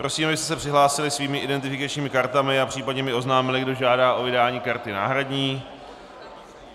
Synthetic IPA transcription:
pɾʔo̞siːmabɪst̪ɛsɛpr̥ɪɦlaːsɪlɪsviːmɪʔɪdɛnt̪ɪfɪkat͡ʃɲiːmɪkaɾt̪amɪapr̥iːpadɲɛmɪo̞znaːmɪlɪɡdo̞ʒaːdaːʔo̞vɪdaːɲiːkaɾt̪ɪna̰ːɦɾadɲiː

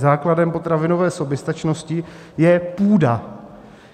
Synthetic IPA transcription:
zaːkladɛmpo̞t̪ɾavɪnovɛːso̞bjɛst̪at͡ʃno̞scɪ | jɛpuːda

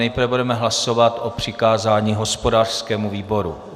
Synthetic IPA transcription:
ɛjpɾvɛbudɛmɛɦlaso̞vat̪ʔo̞pr̝̥ɪkaːzaːɲiːɦo̞spo̞daːr̥skɛːmuviːbo̞ɾṵ

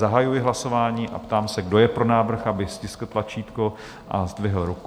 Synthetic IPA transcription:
zaɦajujɪɦlaso̞vaːɲiːʔa̰pt̪aːmsɛɡdo̞jɛpɾo̞naːvr̩xabɪscɪskl̩t̪lat͡ʃiːt̪ko | ʔa̰zd̪vɪɦl̩ɾuk

